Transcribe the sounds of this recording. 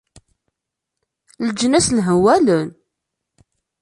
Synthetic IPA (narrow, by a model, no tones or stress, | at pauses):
ləd͡ʒənæslɦəwælən